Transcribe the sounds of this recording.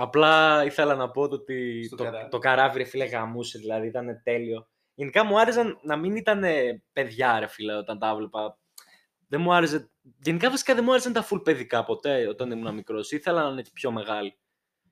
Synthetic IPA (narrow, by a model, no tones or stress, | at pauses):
ɐplɐiθe̞lɐnɐpo̞t̪ot̪it̪ot̪o̞kɐɾɐviɾefileɣɐmusiðilɐðiit̪ɐne̞t̪e̞lio̞ | ʝe̞nikɐmuɐɾesɐnnɐminit̪ɐne̞pe̞ðʝɐɾe̞fileo̞t̪ɐnt̪ɐɐvlepɐ | ðemuɐɾese | ʝenikɐfisi̥kɐðemuɐɾesɐnt̪ɐfulpe̞ðikɐpo̞t̪e̞o̞t̪ɐnimunɐmikɾo̞siθelɐnɐnei̥pço̞me̞ɣɐli